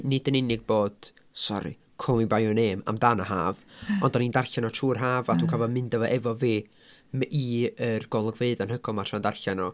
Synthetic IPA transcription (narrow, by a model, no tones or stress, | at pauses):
nɪdənɪnɪɡ̚boːd̥ | sɔ̰ɾḭ | kʰʊmibajɔneːma̰mdanahaːvɔndɔnindarɬanɔtʰuːrɦaːvaduːkʰavɔmɨndəvɔʔɛvɔveː | miərɡ̥ɔlˠəɡveɨðanɦəɡɔlˠmatʰrandarɬanɔ